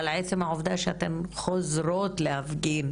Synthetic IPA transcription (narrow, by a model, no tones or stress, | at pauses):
lʕeːsimaʕofd̪æːʃhæ̰t̪ɪnxozɾoːt̪lʔæfɡiːn